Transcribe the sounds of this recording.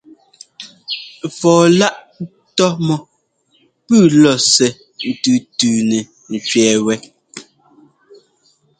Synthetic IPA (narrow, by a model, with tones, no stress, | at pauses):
fɔː˨la˦ʔ | tɔ˦mɔ˨ | pʉː˦˨lɔ˨sɛ˨ | n̩˨tʉ˨tʉː˨nɛ˨ | n̩˨t͡ʃɥɛː˨wɛ˦